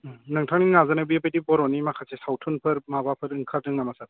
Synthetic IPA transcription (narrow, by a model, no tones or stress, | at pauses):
nɯŋtʰaŋninazanabijabejdibɔɾɔnimakʰasesawtʰunpʰɯɾmabapʰɯɾɯŋkʰaɾdɯŋnamasat̚